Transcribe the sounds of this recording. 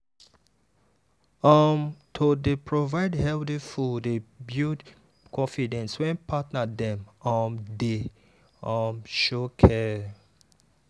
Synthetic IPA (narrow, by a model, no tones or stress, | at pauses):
ɔmtʰodepʰɹovaɪdhɛldifɔdebjud | kʰɔ̃fidɛ̃nswɛ̃npʰatnadɛ̃mɔmde | ɔ̃mʃokʰɛ